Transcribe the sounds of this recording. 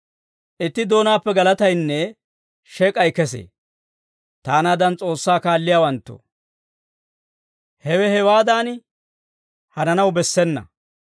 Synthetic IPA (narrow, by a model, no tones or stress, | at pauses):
ʔɪt̪ːɪd̪o̞ːnaːpːɛɡɐlɐt̪ɐjnːɛ | ʃɛkʼɐjkɛs̬ḛː | t̪aːnaːd̪ɐnt͡sʼo̞ːsːaːkaːlːɪjaːwɐnt̪ːo̰ | hɛwɛhɛwaːd̪aːn | hɐnɐnɐwbɛsːɛnːɐ̰